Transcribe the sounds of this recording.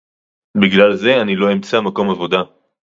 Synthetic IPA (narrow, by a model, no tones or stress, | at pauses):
biɡlalze̞anilo̞emt͡samako̞mavo̞d̪a